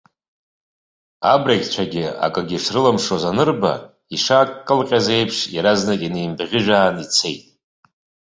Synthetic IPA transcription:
abraɡʲt͡ɕʷʰaɡʲɪa̰kʼaɡʲiʂrɨlamʂozanɨrba̰ | iʂakʼkʼːɨlqʲʼaze̞jpʰʂjaɾaznakʲʼinejmbʁʲɪʒᶣaːnit͡sʰe̞̰jtʼ

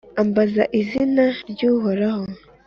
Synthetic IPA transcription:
ambazaʔizinaɾɟuːɦoɾaho

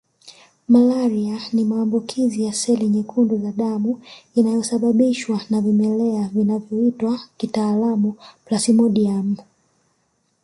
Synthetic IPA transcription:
malaɾianimaːmbukʰizijasɛliɲɛkʰunduzaɗamuinajɔsaɓaɓiʃwanavimɛlɛavinavjɔitwakitaːlamuplasimɔɗiam

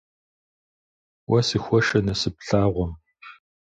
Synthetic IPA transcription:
wɐsɨxʷɔʃɐnɐsɨpɬaːʁʷɔm

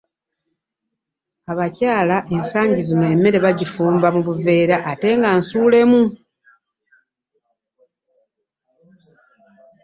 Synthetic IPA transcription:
aβacaːlaʔe̞nsaːɲɟizino̞e̞mːe̞ɾe̞βaɟifuːmbamuβuve̞ːɾaʔate̞ːŋɡansuːle̞mu

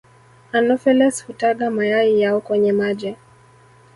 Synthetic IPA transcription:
anɔfɛlɛshutaɠamajaijaɔkwɛɲɛmaʄɛ

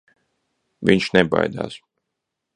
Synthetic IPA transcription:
vʲiɲʃnɛba̰jd̪a̰ːs

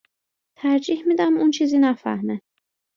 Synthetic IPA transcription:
t̪ʰæɾd͡ʒiːhmiːd̪æmunt͡ʃʰiːziːnæfæ̰hmæ

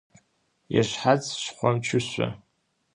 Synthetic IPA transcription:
jaʃħat͡sʰʃχʷamt͡ʃʰʊɕʷa̰

